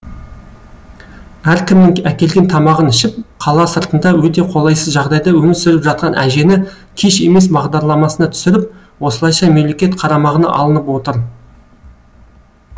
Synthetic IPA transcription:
æɾkʲʰɪmnɪŋækʲe̞lɡʲe̞nt̪ʰɑmɑʁənɪʃɪp̚qʰɑlˠɑsəɾt̪ənd̪ɑwɵt̪e̞qʰo̞lˠɑjsəzʒɑʁd̪ɑjd̪ɑwɵmɪɾsʏɾɪpʒɑt̪̚qɑnʔæ̰ʒe̞nɪ | kʲʰe̞ʃe̞me̞sbɑʁd̪ɑɾlˠɑmɑsənɑt̪ʰʏ̥sɪɾɪp̚ | wo̞səlˠɑjʃɑmemlekʲe̞t̪qʰɑɾɑmɑʁənɑ̰ʔɑ̰lˠənəpwo̞t̪əɾ

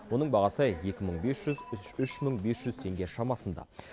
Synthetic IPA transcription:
wo̞nəɴbɑʁɑsəje̞kʲɪməɴbe̞sʒ̥ʏzʏʃməɴbe̞sʒ̥ʏz̥t̪ʰe̞ŋɡʲe̞ʃɑmɑsənd̪ɑ̰

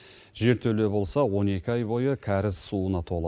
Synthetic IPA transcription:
ʒe̞ɾt̪ʰɵle̞bo̞lˠsɑwo̞ne̞kʲɪɑjbo̞jəkʲʰæɾɪzsuənɑt̪ʰo̞lˠ

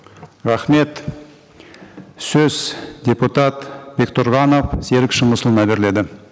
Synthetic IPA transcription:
ɾɑχme̞t̪ | sɵz̥d̪ʲe̞put̪ɑt̪be̞kt̪ʰʊɾʁɑno̞fse̞ɾɪkʃəmʊsəlˠənɑbe̞ɾɪle̞d̪ɪ

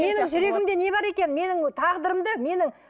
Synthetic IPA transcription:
me̞nɪŋʒʏɾe̞ɡʲɪmd̪e̞ne̞bɑɾe̞kʲe̞nme̞nɪŋt̪ʰɑʁd̪əɾəmd̪əme̞nɪŋ

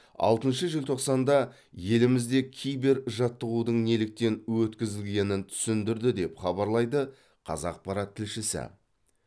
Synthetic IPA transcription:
ɑ̰lˠt̪ənʃəʒɪlt̪ʰo̞qsɑnd̪ɑ | je̞lɪmɪzd̪e̞kʲʰijbe̞ɾʒɑt̪ːəʁud̪əɴne̞lɪk̚t̪e̞nwɵt̪kʲɪzɪlɡʲe̞nɪnt̪ʰʏ̥sɪnd̪ɪɾd̪ɪd̪e̞pχɑbɑɾlˠɑjd̪ə | qʰɑ̰zɑq̚pɑɾɑt̪ʰːɪlʃɪsɪ̰

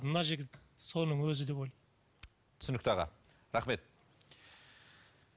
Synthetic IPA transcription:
d̪ənɑʒeɡʲɪtso̞nəɴwɵzɪd̪e̞bojl | t̪ʰʏ̥sɪnɪk̚t̪ɑʁɑ̰ | ɾɑχme̞t̪̚

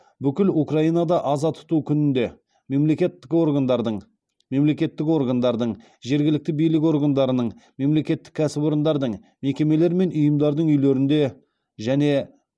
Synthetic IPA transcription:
bʏkʲɪlukraijnɑd̪ɑʔɑzɑt̪ʰʊ̥t̪ukʲʰʏnɪnd̪e̞ | me̞mle̞kʲe̞t̪ːɪ̥ko̞rɡand̪ɑɾd̪əɴ | me̞mle̞kʲe̞t̪ːɪko̞ɾɡand̪ɑɾd̪əɴ | ʒe̞ɾɡʲɪlɪk̚t̪ɪbijlɪk̬ʲo̞rɡand̪ɑɾənəɴme̞mle̞kʲe̞t̪ːɪ̥kʲʰːæsɪbo̞ɾənd̪ɑɾd̪əɴ | me̞kʲe̞me̞le̞ɾme̞nʊjəmd̪ɑɾd̪əɴʏjle̞ɾɪnd̪e̞ | ʒæne̞

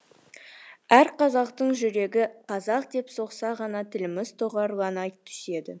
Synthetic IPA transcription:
æɾqʰɑzɑqt̪əɴʒʏɾe̞ɡʲɪqʰɑzɑq̚d̪e̞pso̞qsɑʁɑnɑt̪ʰɪlɪmɪz̥t̪ʰoʁɑɾˠɑnɑjt̪ʰːʏ̥se̞d̪ɪ̰

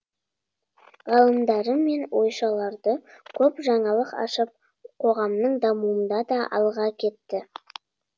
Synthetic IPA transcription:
ʁɑlˠəmd̪ɑɾəme̞nwo̞jʃɑlˠɑɾd̪əkʲʰɵpʒɑɴɑlˠəqɑ̰ʃəp̚ | qʰo̞ʁɑmnəɴd̪ɑmuənd̪ɑd̪ɑʔɑ̰lˠʁɑkʲʰe̞t̪ːɪ

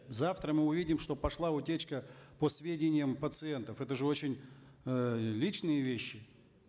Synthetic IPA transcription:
zaft̪ɾəmɨʊvʲidʲɪmʂt̪o̞pɐʂlˠaʊtʲet͡ɕkəpəsvʲedʲɪnʲɪjəmpət̪sɨɛnt̪əfɛt̪əʐɨo̞t͡ɕɪnʲ | lʲit͡ɕnɨjəvʲeɕːɪ

